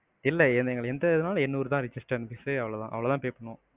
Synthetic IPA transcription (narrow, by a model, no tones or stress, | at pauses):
ɪlːɛɛnɛŋɡɐɭɛnd̪ɐðɯnaːlɐɛnːuːɾɯt̪ãːɾɪd͡ʒɪsʈɐɾnbɪsɯɐʋɐɭɐt̪ã̰ːʔɐʋɐɭɐt̪ãːpeːpːɐɳːõː